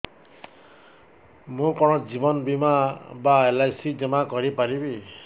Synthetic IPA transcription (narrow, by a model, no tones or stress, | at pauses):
mũkɔɽ̃ɔd͡ʒibɔnbimabaelajsid͡ʒɔmakɔɾipaɾibi